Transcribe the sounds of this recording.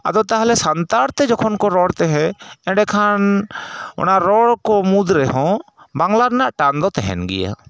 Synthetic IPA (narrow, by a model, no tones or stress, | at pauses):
a̰d̪ɔt̪aɦalɛsant̪aɽt̪ɛd͡ʒɔkʰɔnkɔɾɔɽt̪ɛɦɛ̃ɛ̃ɖɛkʰan | ɔ̰naʔɾɔɽkɔmud̪ɾɛɦɔ̃ | baŋlaɾnaʔʈand̪ɔt̪ɛɦɛ̰nɡɛ̰ja̰